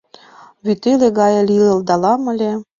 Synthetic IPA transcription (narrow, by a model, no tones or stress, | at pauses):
βyt̪eleɡɑjɤ̆lʲilɤ̆ld̪ɑlɑmə̆lʲe